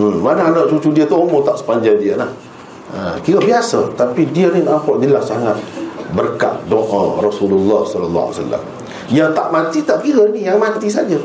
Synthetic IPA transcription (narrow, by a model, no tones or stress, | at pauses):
manaanaʔt͡ʃut͡ʃudiət̪uomɔt̪aʔsə̥paɲd͡ʒajdiəlah | əkiɾəbiasat̪apidiəninaʔakɔʔdilahsaŋat̪̚bərka̰ʔdɔʔərɔsululːɔhsɔlalːɔ̰sa̰lːa̰m | jaŋt̪aʔmant̪it̪aʔkiɾənijaŋmant̪is̬ad͡ʒə